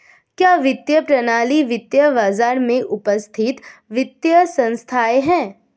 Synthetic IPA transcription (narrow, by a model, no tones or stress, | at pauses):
kjaːʋɪt̪jəpɾɐnaːliʋɪt̪jəbaːzaːɾmẽʔʊpəst̪ʰɪt̪ʋɪt̪jəsɐ̃nst̪ʰaːeɦɛ̃ː